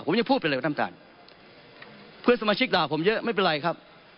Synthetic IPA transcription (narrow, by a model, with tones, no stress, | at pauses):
pʰo˩˦mja˧ŋpʰuː˥˩pːʰt̪ʰa˥˨t̪ʰa̰ː˨˩n | pʰɯ˥˩əsa˧maː˧t͡ɕʰi˦˥k̚laː˨˩wpʰo˩˦mjɤ˦˥ʔma˥˩jp̬e˧nɾa˧jkʰa˦˥p̚